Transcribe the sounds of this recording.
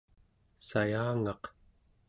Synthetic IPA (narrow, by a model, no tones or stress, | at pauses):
sajaːŋɑq